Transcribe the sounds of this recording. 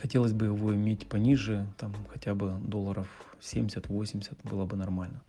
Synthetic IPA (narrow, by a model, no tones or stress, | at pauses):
xɐtʲelˠəsʲbɨjɪvo̞ɪmʲetʲpɐnʲiʐɨt̪amxɐtʲabɨd̪o̞lˠːəɾəf | sʲemʲdʲɪsʲət̪vosʲɪmʲɪ̥sʲət̪bɨlˠəbɨnɐrmalʲnə